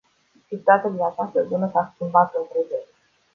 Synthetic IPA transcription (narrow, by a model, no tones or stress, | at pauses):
t͡ʃit̪at̪ad̪inat͡ʃast̪əbunəsaskʲimbat̪lokud̪e